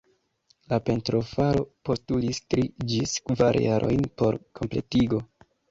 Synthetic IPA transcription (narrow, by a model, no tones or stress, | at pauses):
lape̞ntɾo̞faɾo̞po̞stulistɾid͡ʒiskvaɾjaɾʔo̞̰jnpo̞ɾkʰo̞mple̞̰tiɡo̞